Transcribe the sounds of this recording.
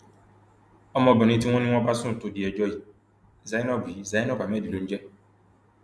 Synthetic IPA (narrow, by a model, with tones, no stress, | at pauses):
ɔ˦mɔ˦bʊ˨n˦i˦ti˦ŋʷɔ˦ni˦ŋʷɔ˦ba˦sʊ˦˨tʊ˨di˨e˨d͡ʒɔ˦ji˨ | za˦i˦nɔ˦bi˨i˦za˨˦jnɔ˦ka˨me˦˨di˨du˨n̩˦d͡ʒe˦